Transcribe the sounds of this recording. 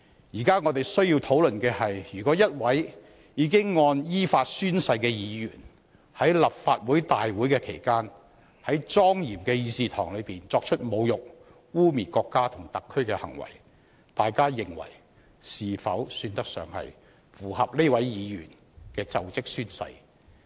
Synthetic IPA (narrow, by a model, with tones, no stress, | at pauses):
jiː˨˩kaː˥ŋɔː˨˧t̪e˨jsɵ˥ɥji˧wt̪ʰo˨˥wlɵ˨nkɛː˧hɐ˨jjyː˨˩kɔː˨˥jɐ˥t̚wɐ˨˥j | jiː˨˧kɪ˥ŋːɔː˧njiː˥faː˧t̚syː˥nsɐ˧jkɛː˧jiː˨˧jy̰ː˨˩n | hɐ˨˥jlɐ˨p̚faː˧t̚wuː˨˥jt̪aː˨jwuː˨˥jkɛː˧kʰe˨˩jkaː˥n | hɐ˨˥jt͡sɔː˥ŋjiː˨˩mkɛː˧jiː˧siː˧t̪ʰɔː˨˩ŋlɵ˨˧ɥpiː˨nt͡sɔː˧k̚t͡ʃʰɵ˥t̚mo˨˧wjʊ˨k̚ | wuː˥miː˨˩kɔː˧kːaː˥t̪ʰʊ˨˩ŋt̪ɐ˨kʰːɵ˥ɥkɛː˧hɐ˨˩ŋwɐ̰˨˩j | t̪aː˨jkaː˥jɪ˨˩ŋwɐ̰˨˩j | siː˨fɐ̰˨˥wsyː˧nt̪ɐ˥k̚sœ̰ː˨ŋhɐ̰˨j | fuː˨˩hɐ˨p̚ne˥wɐ˨˥jjiː˨˧jy̰ː˨˩n | kɛː˧t͡sɐ˨wt͡sɪ˥k̚syː˥nsɐ̰˧j